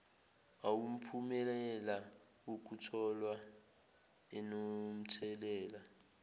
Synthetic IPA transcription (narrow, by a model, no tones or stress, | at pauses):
awum̩pʰumɛlɛla | uk̬ʼutʰɔlwa | ɛnom̩tʰɛlɛːla